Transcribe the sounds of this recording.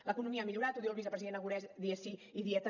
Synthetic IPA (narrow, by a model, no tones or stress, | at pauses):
ləkunumiəamiʎuɾat̪uðiwəlˠβizəpɾəziðenəɣuɾɛzðiesiiðiɛt̪ə